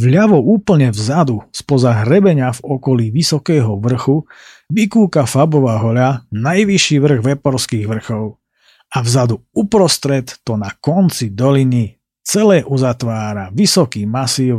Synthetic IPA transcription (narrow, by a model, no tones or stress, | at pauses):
ʋʎaʋɔuːpl̩ɲɛvzad̪uspɔzaɦɾɛbɛɲɪavɔkɔliːʋisɔkɛːɦɔʋr̩xu | ʋikuːkafabɔʋaːɦɔʎanajʋiʃiʋr̩ɣʋɛpɔɾskiːɣʋr̩xɔʊ | avzad̪uupɾɔst̪ɾɛt̪ːɔnakɔnt͡sid̪ɔlini | t͡sɛlɛːʔuzat̪ʋaːɾaʋisɔkiːmasiːʊ